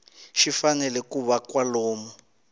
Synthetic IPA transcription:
ʃifanɛlɛkuβakwaloːmɔ

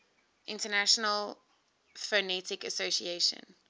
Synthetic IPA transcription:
ʔɪ̃ntənaʃɔnəl | fənɛtɪkəsosḭeʃə̰̃n

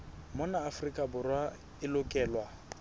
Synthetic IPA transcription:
mʊnaːfrikʼabʊrwa | ɪlʊkʼɛːlwa

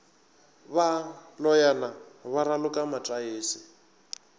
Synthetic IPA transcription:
βalɔjanaβaɾalʊkʼamatʼaeːsɪ

